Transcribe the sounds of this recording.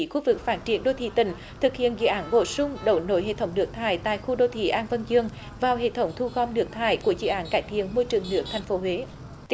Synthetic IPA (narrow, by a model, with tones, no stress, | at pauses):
xu˧˥vɨ˨˩k̚faː˦˥t̚t͡ɕi˧˩ənɗo˧t̪ʰḭ˧˨˩t̪ï˧˩ŋ̟ | t̪ʰɨ˨˩k̚hḭ˧˨ənzɨ̰˧˨ʔaː˨˦nɓo̰˧˩sʊ˧ŋ͡mɗə̰˧˩˦wno̰˧˦jɦḛ˧˨t̪ʰə˧˦wŋ͡mnɨ˦˥k̚t̪ʰaː˧˩jt̪a̰ː˧˨jxu˧ɗo˧t̪ʰḭ˧˩ʔaː˧nvə˧ŋzɨ˧əŋ | vaː˨˩wɦḛ˧˨t̪ʰə˨˦wŋ͡mt̪ʰu˧ɣɔ˧mnɨ˨˦˥ək̚t̪ʰaː˧˩jku˧˩əzɨ̰˧˨ʔaː˨˦nkaː˧˩jt̪ʰḭ˧˨ənmo˧jt͡ɕɨ˨˩əŋnɨ˦˥ək̚t̪ʰɛ˨˩jŋ̟fo˨˦ɦwe˨˦